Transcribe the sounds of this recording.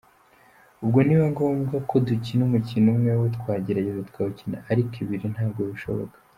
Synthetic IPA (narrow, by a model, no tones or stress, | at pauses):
ubɡo̞niwaŋɡoːmɡakʰo̞ducinumucinumŋewet̪kwaːɟiɾaɟezat̪kaːβucina̰aɾikiβiɾin̥haːbɡoβiʃo̞̰βo̰kḁ